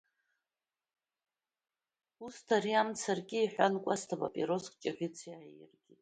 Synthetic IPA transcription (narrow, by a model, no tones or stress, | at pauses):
ustʰariamt͡sʰarɡʲiːħʷᶣankʷʼastʰaba̰pʼiɾoskʼt͡ʃʼaʁʲɪt͡sʰiajɪ̰rɡʲitʼ